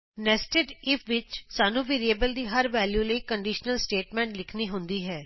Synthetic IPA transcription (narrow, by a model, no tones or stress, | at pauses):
nɛsʈeʈɪpʰʋɪt͡ʃsaːnũːʋeːɾieːbəld̪iːɦəɾʋɛːljuːləiːkəɳɖiːʃnəlsʈeːʈmɛ̃ːɳʈlɪkʰniːɦʊ̃nd̪iːɦɛː